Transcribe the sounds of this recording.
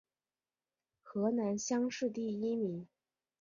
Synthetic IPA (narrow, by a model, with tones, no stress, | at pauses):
xɤ˧˥na˧˥nɕjɑ˥ŋʂɻ̩˥˧t̪i˥˩i˥mi˧˥ŋ